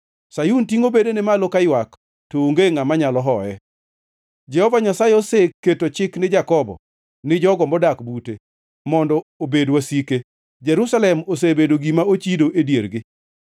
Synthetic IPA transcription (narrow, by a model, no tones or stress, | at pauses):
sajuntiŋobedenɪmalokajwak | tooŋɡeŋamaɲalɔɦɔɛ | d͡ʒɛhɔvaɲasajeosekːetot͡ʃɪknɪd͡ʒakɔbɔ̰ | nɪd͡ʒɔɡɔmbɔdakbute | mɔndɔobedwasike | d͡ʒɛɾusalɛmos̬ebedoɡimaot͡ʃidoʔedjeɾɡɪ